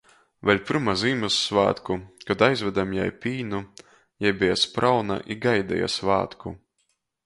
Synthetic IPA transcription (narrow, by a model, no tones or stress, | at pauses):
vɛlʲpʲɨɾmaziːmasːva̰ːt̪kukad̪ajzvʲɛd̪amja̰jpʲiːnu | jajbijaspɾʔawna̰ʔiɡajd̪ɛ̰ja̰sva̰ːt̪ku